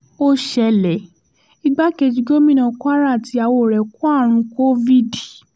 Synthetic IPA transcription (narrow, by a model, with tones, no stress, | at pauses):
o˦ʃɛ˧lɛ˨ | i˦ɡ͡ba˦ke˧d͡ʒi˨˧ɡo˦mĩ˦˨nã˧˨kʷa˦ɾa˦˨ti˧a˨wo˧˨ɾɛ˨ku˦a˦˨ɾ̃ũ˧ko˦vi˦˨d